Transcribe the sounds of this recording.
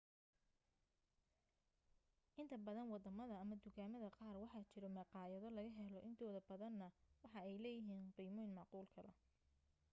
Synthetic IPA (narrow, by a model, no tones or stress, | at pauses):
ʔɪnt̪ʰɐbɐðɐnwɑd̪ɐmɐðɐɐmɐd̪ʊɣaːmɐðɐqɑːrwɑħɑt͡ʃɪɾɔmɑqɑːjɐðɔlɐɣɐɦɛlɔʔɪnt̪ʰɔːðɐbɐðɐnːɐwɑħɑɛjlɛːjɪɦiːnqiːmɔjnmɑʕquːlkʰɐlɐ